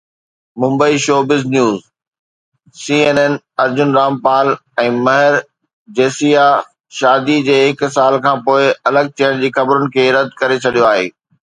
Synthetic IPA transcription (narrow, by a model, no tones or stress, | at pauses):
mʊ̃mbəiʃoːbɪznjuːz | siːeːneːn | ɐɾd͡ʑʊnɾaːmpaːlɛ̃ːmɐɦɪɾ | d͡ʑeːsija | ʃaːd̪id͡ʑeːɦɪksaːlkʰãːpoːɪɐləɡ̚tʰɐːəɽ̃d͡ʑiːxɐbɾʊnɪ̆kʰeːɾɐd̪ʱkɐɾet͡ɕʰɐɗijoaːɦḛː